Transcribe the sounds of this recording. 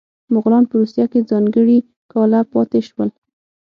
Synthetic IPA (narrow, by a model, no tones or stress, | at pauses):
mʊɣlɑnpəɾusjaked͡zɑŋɡəɽi | kɑlapɑt̪eʃwəl